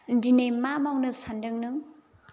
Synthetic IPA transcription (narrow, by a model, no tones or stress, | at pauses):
ndinejmamawnɯsandɯŋnɯŋ